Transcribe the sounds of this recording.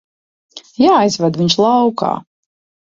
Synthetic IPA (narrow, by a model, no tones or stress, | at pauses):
jaːjzvɛd̪viɲʃlˠawka̰ː